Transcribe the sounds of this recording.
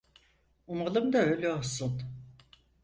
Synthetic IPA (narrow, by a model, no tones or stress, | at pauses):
umalˠɯmd̪aølʲɛosun